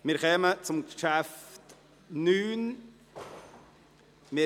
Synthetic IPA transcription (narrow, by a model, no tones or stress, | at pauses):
mɪɾkɛmət͡sʊmkʃæft | nyːn | mɪ